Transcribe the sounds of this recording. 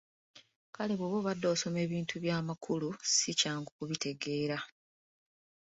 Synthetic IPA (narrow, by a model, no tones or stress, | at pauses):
kale̞βoːβo̞ːβadːo̞ːso̞me̞ːβiːntʰuβjaːmakʰulusicaːŋɡukuβite̞ɡe̞ːɾa